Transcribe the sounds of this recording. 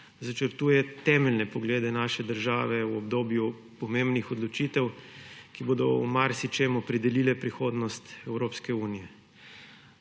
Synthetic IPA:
zat͡ʃəɾt̪uːjɛt̪ɛmɛlnɛpɔɡleːd̪ɛnaːʃɛd̪əɾʒaːʋɛwɔbd̪oːbju | pɔmembnixɔd̪lɔt͡ʃit̪ɛwkiboːd̪ɔumaɾsit͡ʃemɔpɾɛd̪ɛlilɛpɾixoːd̪nɔst̪ɛwɾopskɛuːnijɛ

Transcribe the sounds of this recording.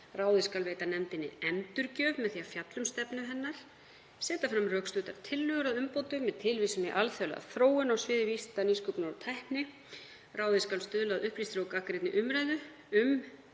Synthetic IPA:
raːwðɪskalveːjt̪anɛmt̪ɪnːɪ̰ɛmt̪ʏɾcœːvmɛðθiafjat̪lʏmst̪ɛpnʏɦɛnːaɾ̥ | sɛːt̪afɾamrœːkst̪ʏːt̪aɾ̥t̪ʰɪlːʏɣʏɾaðʏmpoːwt̪ʏmːɛðt̪ʰɪlvisʏmiʔalθœla̰ðθɾoːwɪnawsvɪːðvist̪aniskʏpnawɾt̪ʰajhpnɪ | rʔaːwðɪskalst̪ʏðlaðʏhplist̪ɾowkakɾɪt̪nɪʔʏmɾajðʏ | ʏm

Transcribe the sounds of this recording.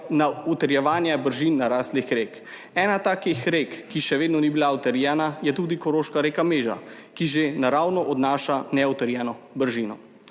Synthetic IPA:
naɔt̪əɾjɛʋaːnjɛbəɾʒinːaɾaːslixɾeːk | ɛːnat̪aːkixɾekːiʃɛʋeːd̪nɔnibilaɔt̪ɛɾjɛːnajɛt̪uːd̪ikɔɾoːʃkaɾeːkameːʒa̰kiʒenaɾaːwnɔʔɔd̪naːʃanɛɔt̪əɾjɛːnɔbəɾʒiːnɔ

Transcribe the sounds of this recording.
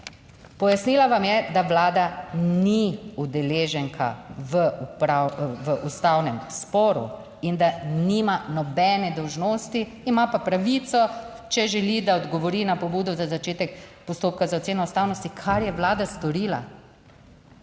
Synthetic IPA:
pɔjasniːlaʋamjɛd̪aʋlaːd̪aniud̪ɛleːʒɛŋkʰa̰ʋəpɾaʋəʔust̪awnɛmspɔːɾṵ | ind̪aniːmanɔbɛnɛd̪ɔwʒnoːst̪iːmapapɾaʋit̪sɔ | t͡ʃɛʒɛlid̪aɔd̪ɡɔʋɔɾinapɔbuːd̪ɔzazat͡ʃeːt̪ɛkpɔst̪oːp̚kazaot̪eːnɔust̪awnɔst̪ikʰaɾjɛʋlaːd̪ast̪ɔɾiːla̰

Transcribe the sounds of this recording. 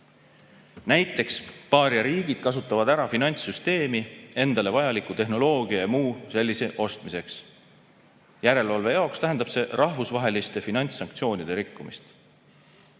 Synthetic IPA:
næjt̪ːˑe̞kspɑːɾjɑɾiːɡ̥id̪̥̚kɑs̬ut̪ːˑɑvɑd̪æɾɑfinɑnʲt̪sːyst̪e̞ːmie̞nd̪̥ɑle̞vɑjɑlikˑut̪e̞ɦno̞lo̞ːɡ̥iɑjɑmuːse̞lʲːise̞ʔo̞st̪mise̞ks | jæɾe̞lɑlve̞jɑokst̪æɦe̞nd̪ɑb̥se̞rɑhvusvɑɦe̞list̪e̞finɑnʲt̪sːɑŋk̚t̪sio̞ːnʲid̪̥e̞ɾikːumist̪

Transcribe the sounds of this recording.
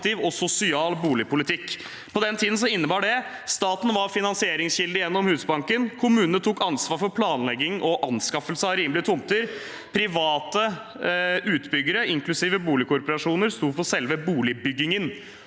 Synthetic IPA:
t̪ɪːʋɔsʊsɪɑːlbuːlɪpʊlɪt̪ʰɪkː | pʰɔd̪ɛnt̪ʰiːd̪n̩s̬ɔɪnːəbɑːɖɛ | st̪ɑːt̪n̩ʋɑɾfɪnɑnsɪeːɾɪŋsçɪld̪ɪjɛnːɔmhʉːsbɑŋkənkʰʊmʉːnnət̪ʰuːkɑnsʋɑːɾfɔɾpʰlɑːnlɛɡːɪŋʔɔʔɑnskɑfəlsəɑɾiːmlɪt̪ʰʊmt̪əɾ | pʰɾɪʋɑːt̪ə | ʉːt̪bʏɡːəɾəɪŋklʉsiːʋəbuːlɪkʰʊɾpɔɾɑʂuːnəɾst̪uːpɔsɛlʋəbuːlɪbʏɡːɪŋən

